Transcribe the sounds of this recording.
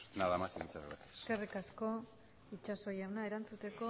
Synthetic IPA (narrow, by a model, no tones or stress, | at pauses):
naðamasinit͡saɾβetskerikasko̞ | it͡ʃaso̞jawnaeɾant͡sut̪e̞ko̞